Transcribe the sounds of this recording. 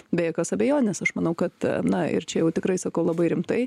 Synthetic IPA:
bʲɛjɛkɐsɐbʲɛjoːnʲɛsɐʃmɐnɐʊkɐt̪nɐɪ̰ɾt͡ʃʲɛjɛʊt̪ʲɪkɾɐɪsɐkɐʊlˠɐbɐɪɾʲɪmt̪ɐɪ

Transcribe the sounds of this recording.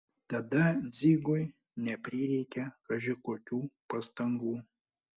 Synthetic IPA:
t̪ɐd̪ɐd͡z̪ʲiɡoj | nʲɛpʲɾʲiɾʲɛkʲɛkɐʒʲɪkɔkʲupɐst̪ɐŋɡu

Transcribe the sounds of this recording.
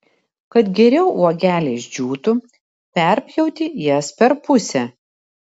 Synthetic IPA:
kɐt̪ɡʲɛɾʲɛʊuɔɡʲæːlʲeːʒʲd͡ʒʲuːt̪ʊ | pʲɛˑɾʲpʲjɛʊt̪ʲɪjɛspʲɛɾpʊsʲɛ

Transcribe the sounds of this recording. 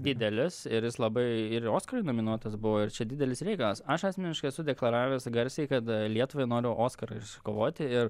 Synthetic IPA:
d̪ʲɪd̪ʲɛlʲɪsɪɾjɪslˠɐbɐɪɪɾoːskɐɾɐɪnoːmʲɪnuɔt̪ɐsbʊʋoːɪɾt͡ʃʲɛd̪ʲɪd̪ʲɛlʲɪsɾʲɛɪkɐlˠɐsɐʃɑːsʲmʲɛnʲɪʃkɐɪɛsʊd̪ʲɛklˠɐɾɑːʋʲɛːsɡɐɾʲsʲɛɪkɐt̪lʲiɛt̪ʊʋɐɪnoːɾʲɪʔoːskɐɾɐɪɪʃsʊkoːʋoːt̪ʲɪɪr

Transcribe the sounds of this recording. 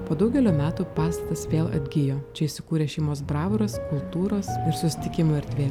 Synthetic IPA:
poːd̪ɐʊɡʲɛlʲoːmʲæːt̪uːpɑːst̪ɐt̪ɐsʋʲeːlˠɐ̰d̪ʲɡʲɪjoːt͡ʃʲɛɪʃʲsʲɪkuːɾʲeːʃʲɛɪmoːs̬bɾɑːʋɾoskʊlˠt̪uːɾoːsɪɾsʊsʲɪ̥t̪ʲɪkʲɪmoːɐɾʲt̪ʲʋʲeː

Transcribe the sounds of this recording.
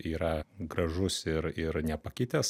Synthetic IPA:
iːɾɐɡɾɐʒʊsɪɾɪɾnʲɛpɐkʲɪt̪ʲɛs

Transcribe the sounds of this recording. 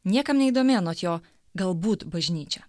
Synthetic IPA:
nʲiɛkɐmnʲɛɪiːd̪oːmʲeːnoːt̪joː | ɡɐlˠbuːt̪bɐʒʲnʲiːt͡ʃʲɛ

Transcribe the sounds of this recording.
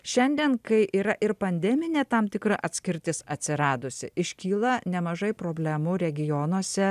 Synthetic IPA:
ʃʲɛnʲd̪ʲiɛnkɐɪʔiːɾɐʔɪɾpɐnʲd̪ʲɛmʲɪnʲeːt̪ɐmt̪ʲɪkɾɐʔɐt̪ʲsʲkʲɪɾʲt̪ʲɪsɐt̪ʲsʲɪɾɑːd̪ʊsʲɪ̰ʔɪʃʲkʲiːlˠɐnʲɛmɐʒɐɪpɾoːbʲlʲæmʊɾʲɛɡʲɪjoːnuɔsʲɛ

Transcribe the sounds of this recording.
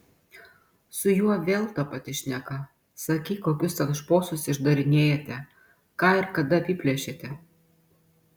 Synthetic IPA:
sʊjuɔʋʲeːlˠt̪ɑpɐt̪ʲɪʃʲnʲɛkɐ | sɐkʲiːkoːkʲʊst̪ɐkʃpoːsʊsɪʒd̪ɐɾʲɪnʲeːjɛt̪ʲɛ | kɑːɪɾkɐd̪ɐɐpʲɪpʲlʲɛʃʲeːt̪ʲɛ

